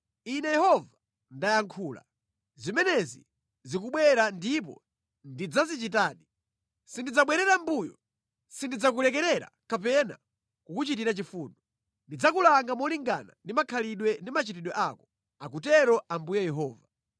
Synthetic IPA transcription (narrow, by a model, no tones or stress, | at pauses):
inɛjɛhɔva | ndajaŋkʰuːla̰ | zimɛnɛzḭ | zikuɓwɛɾandip̬ɔ̰ | ndid͡zazit͡ʃit̬aːɗi | sindid͡zaɓwɛɾɛɾambujɔ̰ | sindid͡zak̬ulɛkɛɾɛɾa̰kapɛna̰ | kukut͡ʃit̬iɾat͡ʃifuːnɔ | ndid͡zakulaŋɡamɔliŋɡa̰na̰ndimakʰaliɗwɛndimat͡ʃitiɗwɛʔakɔ | ak̬utɛɾɔʔambujajɛɦɔːva